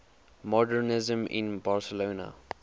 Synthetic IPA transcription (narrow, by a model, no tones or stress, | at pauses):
mɔdəɹnɪzə̃mʔɪ̰̃nbaɹsəloːna̰